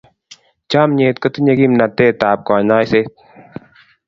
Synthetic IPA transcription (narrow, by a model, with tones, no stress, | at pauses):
t͡ʃaː˦mɲeː˨t̪̚kɐt̪ɨ˦ɲɐ˦ɡi˦mna˨t̪eː˦t̪aː˨p̚kɔː˨naː˦jseː˦t̪̚